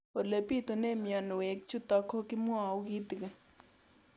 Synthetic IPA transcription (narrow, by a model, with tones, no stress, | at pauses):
wo˨lə˨pi˥˨t̪ə˨ne˥˨mja˨nu˨we˨k̚t͡ɕʰu˥t̪a˨kʰo˥kimu˥a˨ɡit̪ə˨k̚